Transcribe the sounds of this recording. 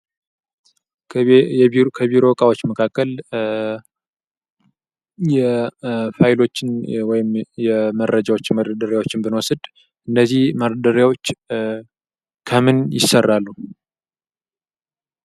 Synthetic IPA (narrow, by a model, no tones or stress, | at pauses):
kʰəβiɾo̞kʼawo̞t͡ʃːməkʰakːəl | jɛfajɪlo̞t͡ʃːɪnwɔjɪmjɛməɾʔəd͡ʒawot͡ʃːməɾəd̪əɾjawo̞t͡ʃːɪnbɨnwɔsɨd̪ | ʔɨnːəzːihməɾəd̪əɾjawo̞t͡ʃː | kʰəmɨnjɪsərːalːu